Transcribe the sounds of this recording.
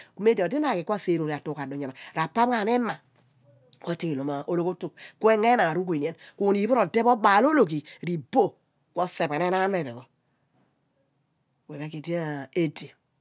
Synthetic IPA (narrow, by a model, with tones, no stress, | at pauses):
kme˦di˨di˦na˨ki˨kʷɔ˦˨se˨ɾo˨ɾi˨a˨tu˦˨ka˨do˨ɲa˨ma˨ɾa˨pa˦m˦a˨nɛ˦ma˨ | kʷɔ˦˨ti˦ki˨lo˨ma˨ʔo˦lo˦ko˦tu˨kkwe˦ŋe˦na˨ɾu˦k̬i˨ni˨e˦nku˦˨ni˨bu˦ɾo˨de˦bɔ˦ba˨lo˦lo˨ki˨ɾi˨bo˦˨ | kɔ˦se˨be˨ne˦na˦ŋa˦n˦e˦˨ɾɛ˨kɔ˦ | we˨be˦ki˨di˦˨e˦di˨